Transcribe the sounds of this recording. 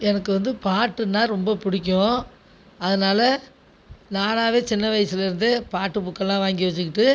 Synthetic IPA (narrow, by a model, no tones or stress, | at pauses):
ɛnɐkːɯʋɐnd̪ɯpaːʈːɯnːaːɾɔmbɐpʊɽɪkʲːõ | ɐðɐnaːlɐ | naːnaːʋeːt͡ʃɪnːɐʋɐjsɪlɪɾɯnd̪ɯpaːʈːɯpʊkːɐɭːãːʋaːŋɡiʋɐt͡ʃːɯkːɪʈːɯ